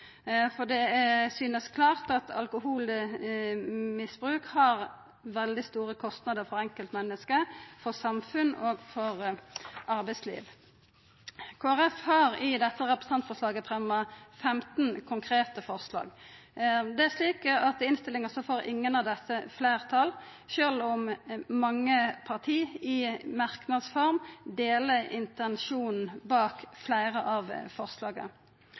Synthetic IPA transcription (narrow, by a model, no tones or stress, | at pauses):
fɔd̪ɛsyːnəskʰlɑːʁt̪ɑt̪ʰɑ̰lkʊhuːl | mɪsbɾʉːkhɑʁ | ʋɛld̪ɪst̪uːʁəkʰɔst̪nɑd̪əɾfɔʁɛŋkəlt̪mɛnːəskəfɔʁsɑmfʉnoːɡfɔʁ | ɑɾbæɪslḭːʋ | kʰoːæʁɛfhɑʁɪd̪ɛt̪ːəʁɛpɾə̥sɑnt̪fɔslɑːɡəfʁɛmːɑfɛmt̪nkʰʊŋkʰʁeːt̪əfɔʁslɑ̰ːɡ | d̪ɛæʁʂliːkəɑt̪ɪnst̪ɪlːɪŋəsɔfoːɾɪ̰ŋːənɑʋd̪ɛsːəfleɪʁt̪ʰɑlʃøːlɔmmɑŋːəpʰɑʁt̪ʰiːɪmɑʁknɑd̪sfɔʁmd̪eːləɪ̰nt̪ɛnʃuːnn̩bɑːkflæɪʁəʔɑʋfɔʁslɑːɡə̰